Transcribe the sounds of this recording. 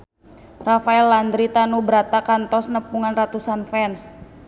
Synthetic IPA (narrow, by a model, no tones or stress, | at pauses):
rafaɛlːand̪ɾit̪anubəɾat̪akant̪ɔsnəpuŋanrat̪usanfɛns